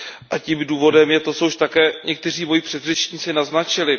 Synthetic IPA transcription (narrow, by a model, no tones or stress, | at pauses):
ʔaciːmduːvo̞dɛmjɛt̪osouʃt̪akɛːɲʔɛk̚t̪ɛr̝iːmo̞jipr̥ɛd̪rɛt͡ʃɲit͡sɪnaznat͡ʃɪlɪ